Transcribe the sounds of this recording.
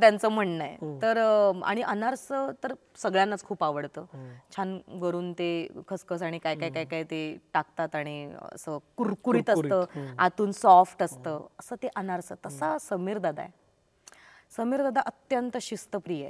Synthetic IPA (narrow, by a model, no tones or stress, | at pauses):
t̪jant͡səm̤əɳnəjḛtt̪əɾa̰ɽ̃iʔənaɾsət̪əɾ | səɡɭjanːat͡skʰuːpaʋəɽt̪əːt͡ɕʰanʋəɾuːnt̪ekʰəskəs̬aɽ̃ikajkakaikaiːt̪eʈak̚t̪at̪aɽ̃iə̰səːkuɾkuɾiːt̪əsəːa̰t̪uːnsɔfʈəst̪əːəsəːt̪eʔənaɾsət̪əsasəmiːɾd̪ad̪a̰ḛ | səmiːɾd̪ad̪aʔət̪jənt̪əɕist̪əpɾije